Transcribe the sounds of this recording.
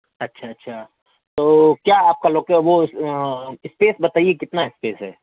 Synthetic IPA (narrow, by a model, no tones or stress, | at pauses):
ɐtːʃʰaɐtːʃʰaː | t̪oːkjaːaːp̚kaloːkeʋo | ɪspeːsbɐt̪aːiekɪt̪naɪspeːsɦɛ̰ː